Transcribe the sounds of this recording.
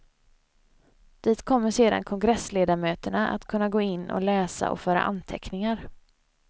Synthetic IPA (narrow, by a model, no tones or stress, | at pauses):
d̪̥iːt̪kʰɔmːəʂeːd̪a̰nkʰɔŋɡɾɛsleːd̪aɾmøːt̪əɳaa̰t̪kʰɵnːaɡoːɪnːɔ̰lɛːsa̰ʔɔ̰fœːɾa̰ʔant̪ʰɛknɪŋaɾ